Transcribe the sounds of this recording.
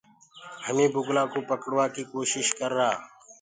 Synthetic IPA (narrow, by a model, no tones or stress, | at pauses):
həmĩːbʱʊɡlaːkuːpəkəɽʋaːkiːkoːʃɪʃkəɾːaː